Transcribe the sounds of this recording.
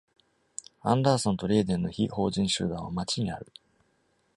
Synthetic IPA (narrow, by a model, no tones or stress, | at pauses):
ãnd̪aːsõ̞nt̪o̞ɾʲe̞ːd̪ẽ̞nːo̞çiho̞ːʑĩɰ̃ɕɨ̰ːd̪ãɰ̃amat͡ɕiɲ̟ia̰ɾɯ̟